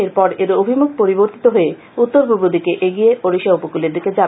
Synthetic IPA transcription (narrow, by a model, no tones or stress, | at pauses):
eɾpɔɾeɾoobʱimuk̚poɾiboɾt̪i̥t̪oɦoe | ut̪ːoɾbʱubud̪ʱikeʔeɡijeʔoɾiʃaupokuleɾd̪iked͡ʑa